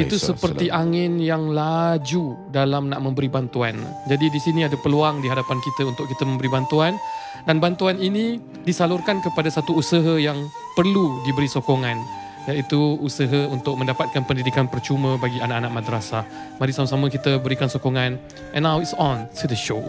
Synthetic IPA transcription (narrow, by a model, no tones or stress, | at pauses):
it̪usəpərt̪iʔaŋɪnjaŋlad͡ʒu | dalamnaʔmə̃mbəɾibant̪uand͡ʒadidisiniadapəluaŋdiɦadapankit̪əunt̪ʊk̚it̪əmə̃mbəɾibant̪uan | danbant̪uaninĩ | disalʊrkankəpadasat̪uːsəɦəjaŋ | pərludibəɾisokoŋãn | jait̪uːsəɦəunt̪ʊk̚mə̃ndapat̪̚kanpəndidikanpərt͡ʃumə̃baɡianaʔanaʔmadɾasa | maɾisamasaməkit̪əbəɾikansokɔŋãn | ɛ̃nːawitsɔ̃ntʰudəʃo